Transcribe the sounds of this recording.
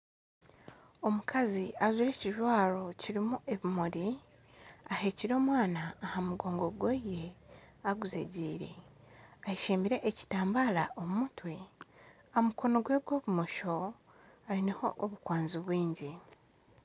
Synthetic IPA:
o̞mukʰaziazuɾe̞ːciʒwaːɾo̞ciɾimuʔe̞βimoɾi | ahe̞ːciɾo̞ːmwaːnaːhamuɡo̞ːŋɡo̞ɡweje̞ | aɡuzḛɟiːɾe̞̰ | ajiʃiːmbiɾe̞ʔːci̥taːmbalaʔomumutwe | amuko̞no̞ɡwe̞ːbɡwo̞ːβumoʃo̞ | aɾineho̞̰ʔːβukwaːnzuβwiːɲɟi

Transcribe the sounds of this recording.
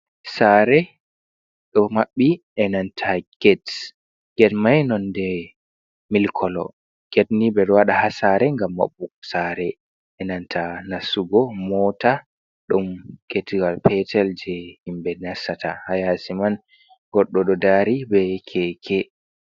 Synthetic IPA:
saɾɛ | ɗɔmaɓːi | ɛnantʰaɡ̥ɛt | ɡ̥ɛtmajnɔndɛ | milkʰɔlɔ̰ | ɡ̥ɛtnibɛɗɔwaɗahasaɾɛŋɡamːa̰ɓːusaɾɛ | ɛnantʰanasuɡɔmɔta | ɗumketɡalpɛtʰɛld͡ʒɛhimbɛnasata̰hajasiman | ɡɔɗːɔɗɔdaɾibɛkʰɛkʰɛ

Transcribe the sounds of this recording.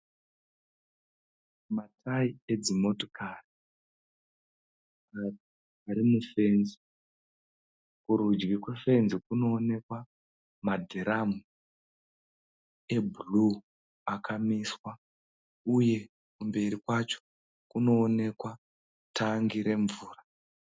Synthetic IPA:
matʰaied͡zimo̞to̥kaːri | ati | aɾimufe̞nzi | kuɾud͡ʒɡikwe̞fe̞nzikuno̞ːne̞kwa | madʱeɾamu | ebʱulu | akʰamiswa | uje̞ | kumbe̞ɾikwat͡ʃo̥ | kuno̞ːne̞kwa | tʰaŋɡiɾe̞ɱvuːra

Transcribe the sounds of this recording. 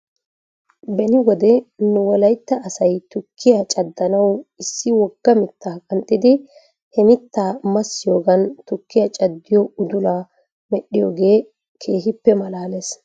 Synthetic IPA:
bɛnɪɡɔd̪ɛnʊwɔlɐjt̪ːɐʔɐsɐjt̪ʊkʰːɪjɐt͡ʃʼɐd̪ːɐnɐwɪsːɪwɔɡ̥ːɐmɪt̪ːaːkʼɐnt̪ʼːɪd̪ɪ | hɛmɪt̪ːaːmɐsːɪjo̞ːɡɐnt̪ʊkːɪjɐt͡ʃʼɐd̪ːɪjɔʊd̪ʊlaː | mɛɗːɪjoːɡe̞ː | kʰe̞ːɦɪpːɛmɐlaːles

